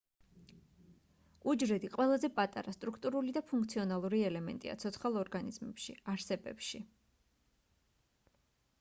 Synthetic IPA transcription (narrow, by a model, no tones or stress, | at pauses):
ud͡ʒɾɛd̪iqʼwɛlˠazɛpʼat̪ʼaɾast̪ʼɾukʰt̪ʼuɾulid̪apʰuŋk̚ʰt̪sʰiɔnalˠuɾiɛlɛmɛ̰nt̪ʼḭa̰t̪sʰɔt̪sʰχalˠɔɾɡanizmɛ̰pʃḭaɾsɛbɛ̰pʃi